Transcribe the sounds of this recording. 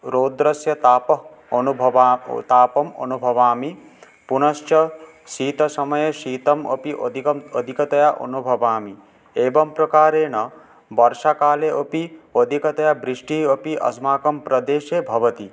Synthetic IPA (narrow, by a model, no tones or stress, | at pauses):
ɾoːd̪ɾɐsjɐt̪aːpɐ | onubʱɐʋat̪aːpɐmɐ̰nubʱɐʋaːmi | punɐʃt͡ʃjɐ | ʃiːt̪ɐsɐmɐjeʃiːt̪ɐmopiʔo̰d̪ʱikɐod̪ʱikɐt̪ɐjaʔo̰nubʱɐʋaːmi | eːbɐmpɾɐkaːɾeːnɐ | bɐɾʃakaːleʔopiod̪ʱikɐt̪ɐjabɾiʂʈiopiʔɐ̰smaːkɐmpɾɐd̪eːʃeːbʱɐʋɐt̪i